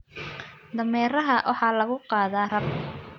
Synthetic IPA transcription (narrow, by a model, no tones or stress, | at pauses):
d̪ɐmɛːɾɐɦɐwʔɑħɑːlɐɣʊqɑːðaːrɐb